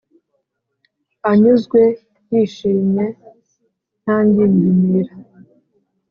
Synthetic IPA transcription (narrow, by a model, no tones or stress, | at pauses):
aɲuzɡwe̞ | jiʃiːmɲe̞ | n̥aːndindimiɾa